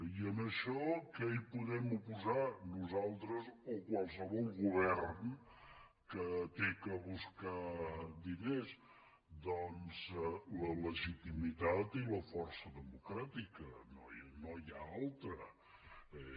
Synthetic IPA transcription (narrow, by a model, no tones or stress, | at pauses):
iənəʃɔkəejpuðɛmupuzanuzalˠt̪ɾəzokwalˠs̬əβɔlˠɣuβɛrn | kət̪ekəβuskad̪ines | d̪ɔnzlələʒit̪imit̪at̪iləfɔrsəðəmukɾat̪ikənonojaalˠt̪ɾə